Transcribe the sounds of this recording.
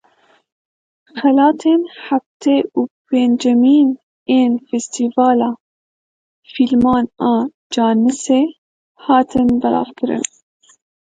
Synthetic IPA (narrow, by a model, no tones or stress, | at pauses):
xɛlɑːt̪ʰeːnħaft̪eːuːpeːnd͡ʒɛmiːn | eːnfɛst̪iːvɑːlɑː | filmɑːnɑː | d͡ʒɑːnɨseː | hɑːt̪ʰɨnbɨɾɑ̰ːvkʰɨɾɨ̰n